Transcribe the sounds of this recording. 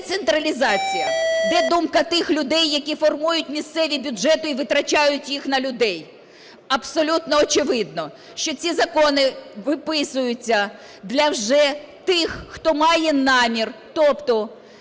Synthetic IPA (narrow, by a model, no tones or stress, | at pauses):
t̪sent̪ɾɐlʲizɑt͡sʲijɐd̪ɛd̪umkɐt̪ɪxlʲʊd̪ɛjːɐkʲifɔrmujʊtʲmʲist̪sɛʋʲibʲʊd͡ʒɛt̪ʊiʋɪt̪ɾɐt͡ʃɑjʊtʲjixnɐlʲʊd̪ɛj | ɐbsɔlʲut̪nɔːt͡ʃɪʋɪd̪̚nɔ | ʃt͡ʃɔt͡sʲizɐkɔnɪʋɪpɪsʊjʊt͡sʲːɐ | d̪lʲɐwʒɛt̪ɪxːt̪ɔmɑjɛnɑmʲirt̪ɔpt̪ɔ